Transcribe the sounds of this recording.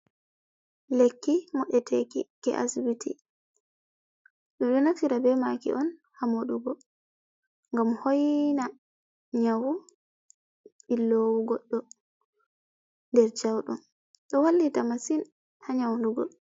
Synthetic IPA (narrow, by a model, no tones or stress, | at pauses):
lekːimɔɗɛtʰekikɛ̰ʔa̰sbitʰḭ | ɗɔɗɔnatiɾabɛmakḭʔɔn | hamoɗuɡɔ | ŋɡamhojna | ɲawu | ɓilːowuɡɔɗːɔ | ndɛɾt͡ʃawɗṵn | ɗɔwalːitamasin | haɲawɗuɡɔ̰